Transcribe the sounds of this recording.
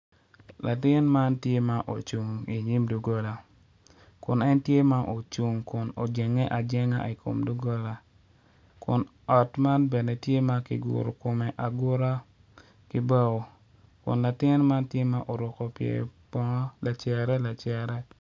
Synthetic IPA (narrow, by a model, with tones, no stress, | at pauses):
la˨tɪ˦nma˦ntje˦ma˦ʔo˨t͡ʃu˨ŋi˨ɲi˦mdu˨ɡo˦la˨ | kʊ˨nɛ˦ntje˦ma˦ʔo˨t͡ʃu˨ŋkʊ˨no˨d͡ʒɛ˨ŋɛ˦ʔa˨d͡ʒɛ˦ŋa̰˦i˨kʰo̰˨mdu˦ɡo˦la˨ | kʊ˨n | ɔ˨tma˦nbɛ˨nɛ˨tje˦ma˦kɪ̰˨ɡʊ̰˨ɾo˨ko˨mɛ˨ʔa˨ɡʊ˦ɾa˦ | kɪ˦ba˦o˨ | kʊ̰˨nla˨tɪ˦nma˦ntje˦ma˦ʔo˨ɾʊ˨kɔ˨pjḛ˨pɔ˦ŋɔ˦la˨t͡ʃɛ˨ɾɛ˦la˨t͡ʃɛ˨ɾɛ˦